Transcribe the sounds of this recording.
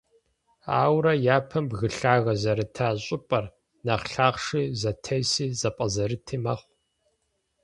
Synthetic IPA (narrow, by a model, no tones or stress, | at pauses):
a̰ːwɾɐjaːpʰɐmbɣɨɬaːɣɐzɐɾɨtʰaːɕʼɪpʼɐr | nɐχɬaːqʂiːzɐtʰɐjsiːzɐpʼɐzɐɾɨtʰiːmɐχʷ